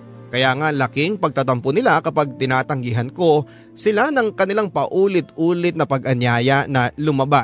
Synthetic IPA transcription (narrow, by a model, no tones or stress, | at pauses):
kɐjaːŋalɐkɪŋpɐɡ̚t̪at̪ɐmponɪlakɐpaɡ̚t̪ɪnaːt̪ɐŋɡɪɦɐnko̞ | sɪlanɐŋkɐnɪlaŋpɐʔuːlɪt̪̚ʔuːlɪt̪̚nɐpɐɡʔɐnjaːjɐnɐlʊmɐbas